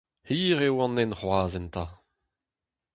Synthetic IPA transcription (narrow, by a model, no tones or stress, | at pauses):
hiːʁewɑ̃nɛnχwaːzɛnt̪a